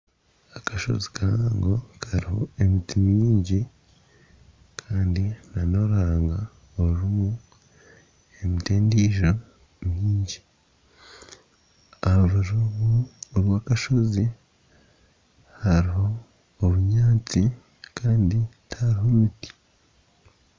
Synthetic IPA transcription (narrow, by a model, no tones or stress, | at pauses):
akaʃo̞̰zi̥kʰaaːŋɡokʰaɾiho̞̰e̞mitimɲiːɲɟi | kʰaːndinano̞ɾaːŋɡa | ouɾumu | emiteːndiːʒo | mɲiːɲɟi | aɾuɾumuɾwaːkaʃo̞zi | haɾiɦo̞ː | βuɲaːt͡si | kʰaːnditaɾihoɾuti̥